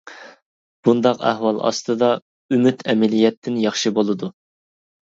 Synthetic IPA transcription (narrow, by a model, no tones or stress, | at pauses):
b̥und̪ɑqæ̰hwɑlˠɑ̰st̪ɨd̪ɑ | ymyt̪ʰɛmɛlijɛt̪ʰːɪnjɑχʃibolˠɨd̪u